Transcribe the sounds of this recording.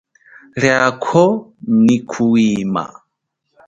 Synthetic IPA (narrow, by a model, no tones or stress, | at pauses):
ɺjakʰɔnikʰuwiːma̰